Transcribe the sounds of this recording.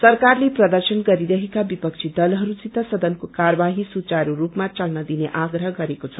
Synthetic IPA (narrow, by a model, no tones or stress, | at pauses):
sʌrkarleprʌd̪ʌrsʌnɡʌɾiɾʌɦekabipʌk̚t͡sʰid̪ʌlɦʌɾut͡sit̪ʌsʌd̪ʌnkokaɾʌbaɦisut͡saɾuɾupmat͡sʌlnʌd̪ineʔaɡɾʌɦɡʌɾekot͡sʰʌ